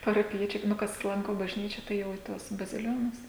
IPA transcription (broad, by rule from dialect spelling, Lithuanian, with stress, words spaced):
pɐrɐpʲɪˈjiɛt͡ʃʲɛɪ ˈnʊ kɐs ˈlˠɐŋkoː bɐʒʲˈnʲiːt͡ʃʲɛ ˈtɐɪ jɛʊ iː ˈtuɔs bɐzʲɪˈlʲoːnʊs